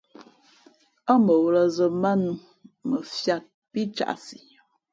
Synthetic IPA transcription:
a˦mə˨wlə˨zə˨ma˦n˨ | mə˨fja˦t̚ | pi˦t͡ʃa̰˨ʔsi˨

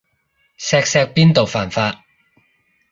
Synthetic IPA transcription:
sɛː˧k̚sɛː˧k̚piː˥nt̪o˨wfaː˨˩nfaː˧t̚

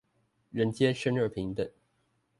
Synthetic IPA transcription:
ɻə˧˦˥nt͡ɕjɛ˥ʂə˥nə˞˥˧˩pʰi˧˥ŋd̪ə˧˨

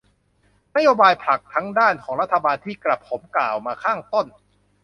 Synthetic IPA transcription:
na˦˥joː˧baː˧jpʰa˨˩k̚t̪ʰa˦˥ŋdaː˥˩nkʰɔː˩˦ŋɾa˦˥t̪ʰːa˧baː˧nt̪ʰiː˥˩kla˨˩p̚ʰːo˩˦mklaː˨˩wmaː˧kʰaː˥˩ŋt̪o˥˩n

